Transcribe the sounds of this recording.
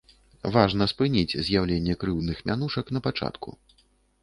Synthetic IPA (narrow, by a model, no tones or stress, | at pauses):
vaʐnɐspɨnʲid͡zʲzʲjawlʲenʲːɛkɾɨwd̪nɨxmʲan̪uʂɐkn̪ɐpat͡ʂa̰t̪kʰṵ